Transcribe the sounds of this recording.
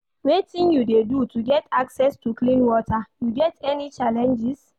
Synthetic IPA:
wetĩnjudedutuɡɛtaksɛstuklĩnwɔtajuɡɛtɛnit͡ʃalɛ̃nd͡ʒis

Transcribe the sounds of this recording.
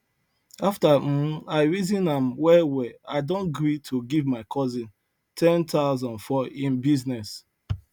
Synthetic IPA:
aftam̩aɪɹizĩnãmwɛwɛaɪdõnɡɹitʰuɡivmaɪkʰɔzĩn | tʰɛ̃ntʰaʊlzɔ̃nfɔĩnbiznɛs

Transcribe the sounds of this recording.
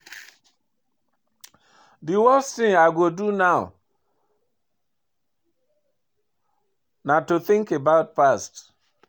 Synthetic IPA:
diwɔsθĩŋaɪɡodunaʊ | natuθɪ̃ŋkebaʊt̚past

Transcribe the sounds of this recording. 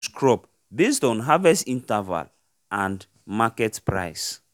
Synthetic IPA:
skɹɔp | bestɔ̃nɦavɛsĩntɛva̰l | ãnd | makɛtpɹa̰js

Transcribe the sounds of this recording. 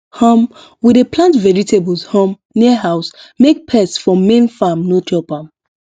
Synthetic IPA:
hɔ̃m | widepʰlãntvɛɹitebəlshɔ̃m | niəɦaʊsmek̚pʰɛsfɹɔ̃mːẽnfamnotʰɔpãm

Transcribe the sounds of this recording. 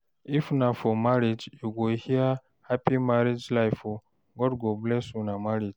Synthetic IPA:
ifnafɔmaɾid͡ʒjuɡohia | hapimaɾid͡ʒlajfo | ɡɔdɡoblɛsunamaɾid͡ʒ

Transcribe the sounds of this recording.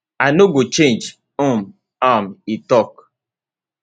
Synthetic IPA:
anoɡot͡ʃẽnd͡ʒ | om | amitɔk

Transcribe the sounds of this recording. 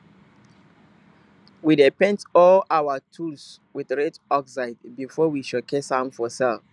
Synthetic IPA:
widipɛ̃ntɔlawətʰuls | wiðɹɛtɔksaɪdbifɔwiʃɔkʰesãnfɔsɛl

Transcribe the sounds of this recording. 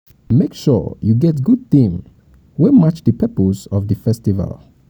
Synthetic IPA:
mekʃɔ̰juɡɛtɡud̚θĩm | wɛmat͡ʃðəpʰɛpəzɔvðɨfɛstiva̰lˠ

